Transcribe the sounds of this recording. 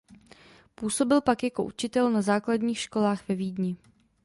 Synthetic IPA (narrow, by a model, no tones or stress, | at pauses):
puːso̞bɪlpakjako̞̰ʔut͡ʃɪt̪ɛlnazaːkladɲiːxʃko̞laːxvɛviːdɲɪ